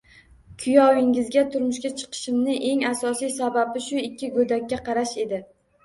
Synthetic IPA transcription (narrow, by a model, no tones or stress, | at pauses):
kʰʊjɒwɪŋɪzɡʲat̪ʰʊɾmʊʃkʲat͡ʃʰɨ̥qʰɨ̥ʃɪmnɪʔe̞ŋasɒsijsababɪʃʊɪkʲːɪɡɵd̪akʲːaqʰɑɾaʃe̞d̪ɪ